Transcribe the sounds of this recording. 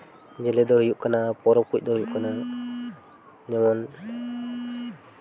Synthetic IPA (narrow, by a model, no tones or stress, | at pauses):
d͡ʒɛlɛd̪ɔhujuʔkanapɔɾɔkuc̚ˀd̪ɔhujuʔkana | ɲamɔn